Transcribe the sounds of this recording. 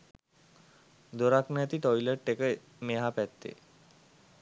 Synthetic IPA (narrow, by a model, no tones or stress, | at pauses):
d̪oɾaknjat̪iʈɔjləɾʈekə | meɦapɛt̪ːḛ